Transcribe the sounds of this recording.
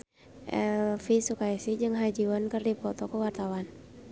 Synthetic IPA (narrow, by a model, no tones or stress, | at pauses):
ʔɛ̰lfisukaisid͡ʒɨŋɦad͡ʒiwankərdipɔt̪ɔkəwart̪awan